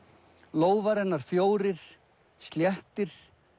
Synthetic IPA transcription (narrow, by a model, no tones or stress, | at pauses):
loːwvaɾɛnːaɾ̥fjoːwɾɪɾ̥ | st̪ljɛht̪ɪɾ̥